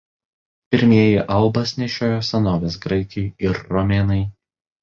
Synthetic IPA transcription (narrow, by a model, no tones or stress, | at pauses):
pʲɪɾʲmʲiɛjɪʔɐlˠbɐsʲnʲɛʃʲoːjoːsɛnoːʋʲeːsɡɾɐɪkʲɛjɪɾːɔmʲɛːnɐɪ